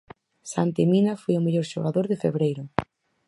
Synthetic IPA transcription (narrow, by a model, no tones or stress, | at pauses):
sant̪eminafojʊmeʎoɾʃoɣaðoɾðɪfḛβɾejɾʊ